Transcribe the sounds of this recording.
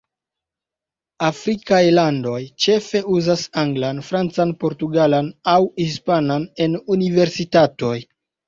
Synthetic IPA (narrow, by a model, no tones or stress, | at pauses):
afɾikajlando̞jt͡ʃe̞fe̞uzasaŋɡlanfɾant͡sanpo̞ɾtuɡalanawhispanane̞nunive̞ɾsitato̞j